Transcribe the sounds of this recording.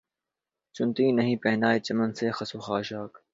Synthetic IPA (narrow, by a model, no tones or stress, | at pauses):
t͡ʃʊnt̪ĩːnɐɦĩːpẽːnd̪aːiːt͡ɕɐmənseːxɐsoːxaːʃaːk